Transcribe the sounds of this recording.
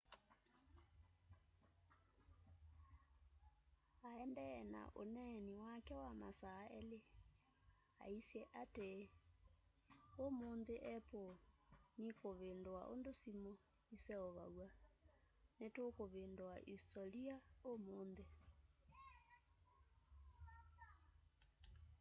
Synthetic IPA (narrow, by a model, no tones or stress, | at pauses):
aɛndɛɛna̰ʔonɛniwakɛwama̰saːɛle | a̰isjɛʔate | omondeʔɛponikoβendowa̰ʔo̰ndosimo | isɛɔβa̰wa | netokoβendowaʔistɔliaomoːnde